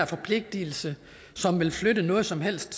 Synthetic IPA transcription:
ɐfɒ̽pʰle̝ɡ̥̚d̥il̩sə | sɒ̽mʋe̝lflødənɔ̽ːð̞̩ˠsɒ̽mɦel̰sd̥

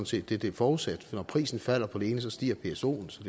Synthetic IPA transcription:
nse̝̰ːd̥d̥e̝d̥e̝ɐfɒːusæd̥nɒpʰʁḭːsn̩fæl̰ɐpʰɒ̽d̥e̝e̝ːnəsɒ̽sd̥ḭːɐpʰe̝eso̝̰ːn̩sɒd̥e

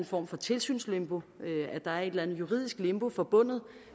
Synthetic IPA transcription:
n̩fɒ̰ːmfɒ̽t͡sʰe̝lsy̰ːnslemb̥o̝øæd̥ɑ̈æɐe̝d̥lænð̩ˠjuʁḭð̰ˠisɡ̥lemb̥o̝fɒ̽b̥ɔ̽n̰ð̞̩ˠ

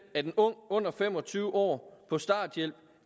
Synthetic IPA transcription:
æɐd̥enɔ̽ŋ̰ɔ̽n̰ɐfem̰ɒ̽t͡sʰyːʊəɒ̰ːpʰɒ̽sd̥ɑ̈ːd̥jel̰b̥̚

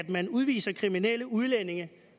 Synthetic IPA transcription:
d̥mænuð̞ˠʋḭːsɐkʰʁiminel̰əuð̞ˠlene̝ŋɐ

